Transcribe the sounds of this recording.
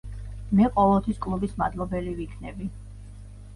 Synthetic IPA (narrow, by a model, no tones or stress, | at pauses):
mɛqʼɔlˠɔt̪ʰwiskʼlˠubismad̪lˠɔbɛlivikʰnɛbi